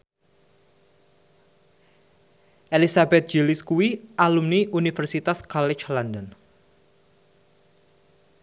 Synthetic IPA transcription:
ʔelisabɛt̪̚d͡ʒiliskuwiʔalumniʔunifərsit̪askɔlɛt͡ʃlandɔn

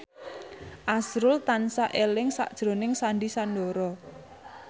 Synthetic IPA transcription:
ʔasɾʊlt̪ansaʔelɪŋsa̰ʔd̥ʒ̥ɾo̤nɪŋsaɳɖisanɖɔɾɔ

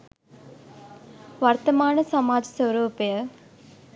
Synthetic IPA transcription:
ʋɐɾt̪ɐmaːnɐsɐmaːd͡ʒɐsɐwɾoːpɐjɐ

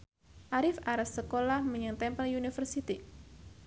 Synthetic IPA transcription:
ʔaɾɪfaɾassəkolahməɲəŋt̪ɛmpəljunifərsit̪i

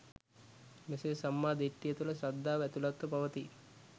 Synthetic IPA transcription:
meseːsɐmːaːd̪eʈːijət̪ulɐsɾɐd̪ʱːaːʋɛt̪ulat̪ʋɐpɐʋɐt̪i

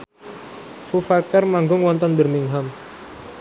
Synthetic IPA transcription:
fufakɛrmaŋɡʊŋwɔnt̪ɔnbərmiŋɦam

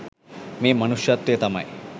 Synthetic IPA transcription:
meːmɐnuʂjat̪ːjet̪ɐmɐ̰j

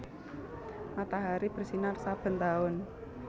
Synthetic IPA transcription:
mat̪aɦaɾib̥ə̤rsinarsab̥ə̤nt̪aʊn

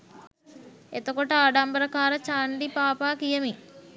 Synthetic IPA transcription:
et̪okoʈəaːɖampɾəkaːɾət͡ʃaːɳɖipaːpaːkijəmi

